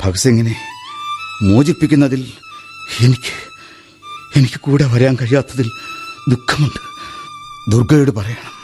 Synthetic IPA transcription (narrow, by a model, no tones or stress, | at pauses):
b̥ʰʱɐɣɐseŋːɐne̞ | mo̞ːd͡ʑipːikʲːunːɐðil | e̞nikʲːɨ̥ | e̞nikʲːɨ̥kuːɽeʋɐɾaːnkɐɻijaːt̪ːɐðild̪ukʰːɐmuɳɖɨ̥ | d̪urɡɐjoɽɨpɐrɐjaːɳɐm